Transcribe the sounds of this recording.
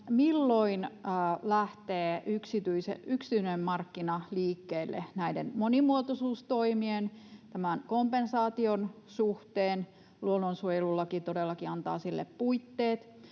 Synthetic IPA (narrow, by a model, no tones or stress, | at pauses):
milːoinːlæht̪eːyksit̪yisḛyksi̥t̪yynemmɑrkːinɑliːkːeːlːḛnæidenmonimuot̪osuːst̪oimient̪æmænkompensɑːt̪ion | suht̪eːn | luononsuojelulːɑkit̪odelːɑkiɑnt̪ɑ̰ːsilːḛppuit̪ːeːt̪